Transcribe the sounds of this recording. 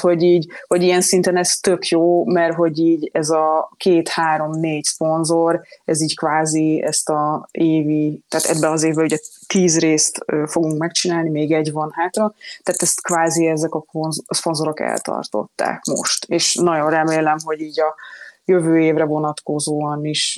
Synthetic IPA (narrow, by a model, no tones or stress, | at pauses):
ho̞ɟiːɟho̞ɟijɛnsint̪ɛnɛst̪ø̞kjoːmɛrɦo̞ɟiːɟɛzɒkeːt̪haːɾo̞mneːɟspo̞nzoɾɛziːckvaːziɛ̰st̪ɒeːvit̪aːt̪ɛbbɛɒzeːvbɛuɟɛt̪iːzreːst̪øːfoɡuŋkmɛkt͡ʃinaːlnimeːɡɛɟvɒnhaːt̪rɒt̪aːt̪ɛst̪kvaːziɛzɛkɒonzspo̞nzo̞ɾo̞kɛ̰lt̪ɒ̰rt̪o̞̰t̪ːa̰ːkmo̞̰ʃt̪eːʃnɒɟo̞nrɛmeːlɛmɦo̞ɟiːɟɒjøvøːeːvrɛvo̞nɒt̪ko̞zoːɒniʃ